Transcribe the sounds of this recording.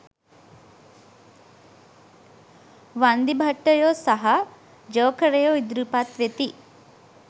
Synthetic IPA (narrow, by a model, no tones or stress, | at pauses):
ʋand̪ibʱɐʈːəjoːsɐɦɐ | d͡ʒəːkʰəɾejoːid̪ɾupat̪ʋet̪i